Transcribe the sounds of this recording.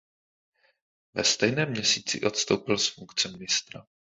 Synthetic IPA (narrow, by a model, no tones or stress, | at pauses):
vɛst̪ɛjnɛːmːɲɛsiːt͡sɪ̰ʔo̞t̪st̪o̞wpɪlsfuŋkt͡sɛmɪnɪst̪ɾa̰